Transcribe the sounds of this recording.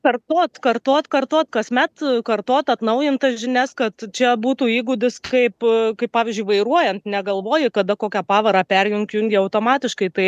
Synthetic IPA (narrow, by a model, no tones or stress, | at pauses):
kɐrt̪oːt̪kɐrt̪oːt̪kɐrt̪oːt̪kɐsmʲɛt̪kɐrt̪oːt̪ɐt̪nɐʊjɪnt̪ɐsʒʲɪnʲɛskɐt̪t͡ʃʲɛbuːt̪uːiːɡʊd̪ʲɪskɐɪpkɐɪpɑːʋʲɪzʲd͡ʒʲʊɪʋɐɪɾuɔjɛnt̪nʲɛɡɐlˠʋoːjɪkɐd̪ɐkoːkʲɛpɑːʋɐɾɑːpʲɛrʲjʊŋʲkʲjʊŋʲɡʲɪɐʊt̪oːmɑːt̪ʲɪʃkɐɪt̪ɐɪ